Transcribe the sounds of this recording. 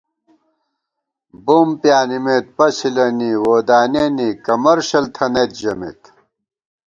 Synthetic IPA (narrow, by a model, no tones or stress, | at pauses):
bompjaːnimet̪̚pɐsilɐniwoːd̪aːnenikɐmɐɾɕɐlt̪ʰɐnet̪̚d͡ʑɐmḛt̪